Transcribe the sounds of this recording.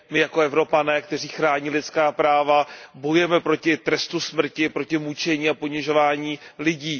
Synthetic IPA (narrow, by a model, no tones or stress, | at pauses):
mɪjako̞ɛvɾo̞panɛːkt̪ɛr̝iːxɾaːɲiːlɪt̪t͡skaːpɾaːvabo̞jujɛmɛpɾo̞cɪt̪ɾɛst̪usmr̩cɪpɾo̞cɪmut͡ʃɛɲiːapo̞ɲɪʒo̞vaːɲiːlɪɟiː